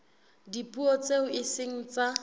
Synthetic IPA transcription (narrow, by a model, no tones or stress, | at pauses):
dipʼuot͡sʼeʊʔɪsɪŋ̩t͡sa